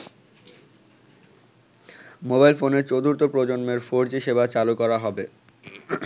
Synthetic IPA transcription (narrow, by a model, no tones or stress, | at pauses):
mobajlfoneɾt͡ɕod̪uɾt̪opɾod͡ʑonmeɾfoɾd͡ʑiʃebat͡ɕalukɔɾaɦɔbe